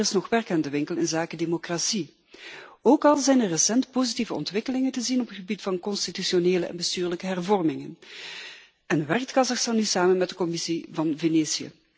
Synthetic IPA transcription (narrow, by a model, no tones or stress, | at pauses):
ɪsnɔxʋɛrkaːndəʋɪŋkəlˠɪnzaːkədemokrasi | oːkɑlˠzɛjnərːəsɛntpozitivəɔ̰ntʋɪkəlɪŋəntəzinɔpətxəbitfɑnkɔnstityʃioneːləɛ̰nbəstyːrləkəɦɛrvɔrmɪŋən | ənʋɛrk̚tkɑzɑxstɑnːysaːmənmɛt̚dəkɔmɪsivɑnveneːsiə̰